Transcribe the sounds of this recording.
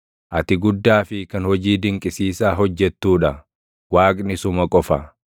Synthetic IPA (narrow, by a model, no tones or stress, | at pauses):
ʔɐt̪ɪɡʊd̪ːaːfɪkɐnhɔd͡ʒiːd̪ɪŋkʼɪsiːsaːɦɔd͡ʒːɛt̪ːuːᶑɐ | waːkʼnɪsʊmɐkʼɔfɐ